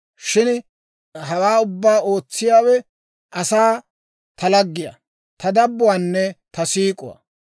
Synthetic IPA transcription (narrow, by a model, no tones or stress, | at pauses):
ʃɪn | ɦɐwaːʊbːaːo̞ːt͡sːɪjaːwɛ | ʔɐsaː | t̪ɐlɐɡːɪja̰ | t̪ɐd̪ɐbːʊwaːnːɛt̪ɐsiːkʼʊwa̰